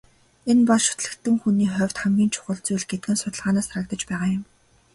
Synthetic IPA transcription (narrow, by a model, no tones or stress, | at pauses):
enpɔʃʊ̥t̪ɮɘ̆kt̪ɘ̆ŋxuniːχœːwʲt̪χæmɡʲiːnt͡ɕʰʊ̥χə̆ɮt͡sujɮɡet̪̚ɡɘ̆nsʊt̪ə̆ɮʁaːnaːsɾə̆kt̪ə̆t͡ɕpæːʁaːjʊm